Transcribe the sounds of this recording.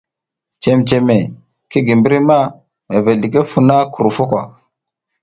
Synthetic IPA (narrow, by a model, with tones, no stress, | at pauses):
t͡ʃe˨mt͡ʃe˨me˨ | ki˦ɡi˨mbi˦ɾi˦ma˦ | me˨ve˨ɮi˨k̬e˦fu˦na˦ku˨ɾu˨fu˦kʷa˨